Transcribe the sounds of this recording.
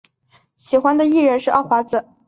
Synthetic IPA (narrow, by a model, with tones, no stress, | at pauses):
ɕi˨˩xwa˧˥nd̪ə˨i˥˩ɻə˧˥nʂɻ̩˥˧ʔɑ˥˩xwa˧˥d͡zɹ̩˧˩˦